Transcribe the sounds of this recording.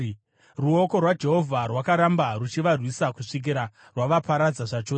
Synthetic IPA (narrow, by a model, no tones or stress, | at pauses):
ruo̞ko̞rwad͡ʒe̞ɦo̞vʱarwakaɾambarut͡ʃiʋarwisakuʂik̬iɾa | rwaʋapaɾad͡zaʐat͡ʃoː